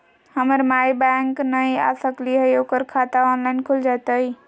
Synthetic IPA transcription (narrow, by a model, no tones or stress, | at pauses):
həməɾmajbaŋknəja̰səkliɦəjoːkəɾkʰat̪aɔnlaɪnkʰuld͡ʒat̪əj